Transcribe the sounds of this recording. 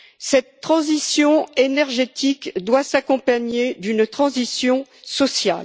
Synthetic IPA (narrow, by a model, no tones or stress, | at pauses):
sɛt̪ːχɑ̃zisjɔ̃enɛʁʒet̪ikd̪wasakɔ̃paɲed̪ynt̪χɑ̃zisjɔ̃sɔsja̰l